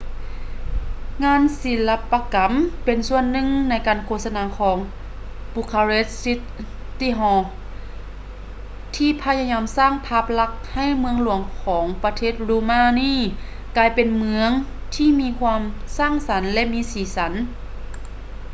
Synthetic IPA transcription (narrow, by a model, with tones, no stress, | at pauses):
ŋaː˧˥˨nsi˨˦la˧pːa˧ka˨˦mpe˨nsu˧ənːɯ˧˨ŋna˧˥jkaː˨nkʰoː˧t̪̚sa˧naː˧˥kʰɔː˩˦ŋ | pu˧kʰaː˧ɾe˧˥t̪̚si˧˥t̪ | t̪ːi˧ɦɔː˧ | t̪ʰiː˧˥pʰa˧˥ɲa˧ɲaː˧msaː˥˩ŋpʰaː˧˥˩p̚la˧˥k̚ha˧˥˩jmɯ˧əŋlu˩˦əŋkʰɔː˩˦ŋpa˧t̪ʰeː˥˩t̪̚luː˧maː˧˨niː˧˥˩ | kaː˧˩jpe˨nmɯ˧əŋ | t̪ʰiː˧˨miː˧kʰwaː˧msaː˧˥˩ŋsa˨˩˦nlɛ˧ʔmiː˧˥siː˨˦sa˩˦n